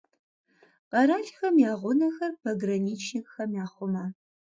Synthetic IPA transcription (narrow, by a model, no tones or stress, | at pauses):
qɐɾaːɮxɐmjaːʁʷʊnɐxɐrpʰɐɡrɐniːt͡ʃʰnɪkxɐmjaːχʷʊmɐ